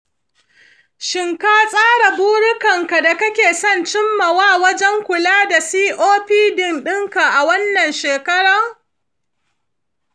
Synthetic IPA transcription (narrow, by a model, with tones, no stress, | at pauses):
ʃɪ˨ŋkaː˦sʼaː˦ɽa˨buː˦ɽʊ˦kɐ˨ŋka˨da˨kɐ˦kʲeː˨sɐ˦˨nt͡ʃɪ˦mːɐ˨waː˦˨wɐ˦d͡ʒɛ˦ŋkʷʊ˨laː˦da˨siː˦ʔoː˦ɸiː˦dɪ˨nɗɪ˦ŋka˨ʔa˨wɐ˦nːɐ˨nʃeː˨kɐ˦ɽɐ˨ŋ